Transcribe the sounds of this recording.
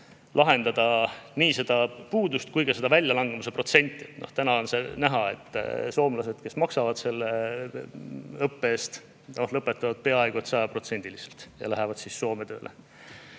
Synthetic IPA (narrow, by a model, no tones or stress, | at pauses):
lʔɑɦe̞nd̪̥ɑd̪ɑniːse̞d̪ɑpuːd̪ust̪̚kujɡɑse̞d̪ɑvælʲjɑlɑŋɡ̥e̞muse̞pro̞t̪se̞nʲt̪ˑːiet̪noht̪ænɑonse̞næɦɑe̞t̪ːˑso̞ːmlɑse̞d̪̥ke̞smɑksɑvɑd̪̥se̞lːe | ɤpːeːst̪ | nohlɤpːˑe̞t̪ːˑɑvɑd̪̥̚pe̞ɑeɡ̥uet̪sɑjɑpro̞t̪se̞nʲd̪iliselt̪jɑ̰læɦevɑd̪̥sisːo̞ːme̞t̪ø̰ːlʔḛ